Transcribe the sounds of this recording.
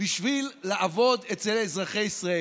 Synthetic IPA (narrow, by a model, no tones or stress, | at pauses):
biʃvilːeʔavo̞d̪et͡selezʁaχejisʁae